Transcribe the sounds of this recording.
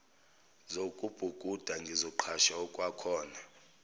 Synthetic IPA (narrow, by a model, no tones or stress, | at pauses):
zokʼub̥ʱuɡ̥ʱʼud̥ʱaŋɡʱizɔǃʰaʃaɔkʼwakʰɔːna